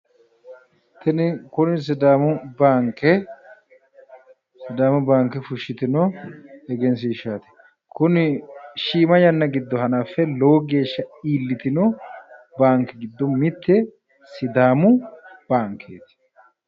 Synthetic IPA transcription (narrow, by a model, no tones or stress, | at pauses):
t̪ɛnɪkʊnɪs̬ɪd̪aːmʊbaːŋkɛ | sɪd̪aːmʊbaːŋkːɛfʊʃːɪt̪ɪnɔɛɡɛns̬iʃaːt̪ɛ̥ | kʊnɪʃiːmɐjɐnːɐɡɪd̪ːɔɦɐnaːfːɛloːɡe̞ːʃːɐiːlːɪt̪ɪnɔbaːŋkːɛɡɪd̪ːɔmɪt̪ːɛ | sɪd̪aːmʊb̥aːŋkʰːeːt̪ɪ̥